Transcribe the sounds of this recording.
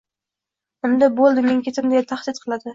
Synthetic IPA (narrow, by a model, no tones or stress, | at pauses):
ɪmd̪abolˠd̪ɪme̞ŋkʲe̞t̪ʰɪmd̪et̪ʰaχd̪ɪt̪qʰɨlˠad̪ɪ